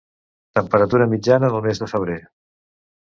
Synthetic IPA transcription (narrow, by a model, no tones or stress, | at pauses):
t̪əmpəɾət̪uɾəmid͡ʒanəðəlˠmezðəfəβ̞ɾe